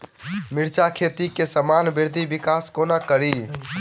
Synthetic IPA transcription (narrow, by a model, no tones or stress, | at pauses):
miɾt͡ʃakʰet̪ikesəmanbiɾd̪ʱibikaskonakəɾi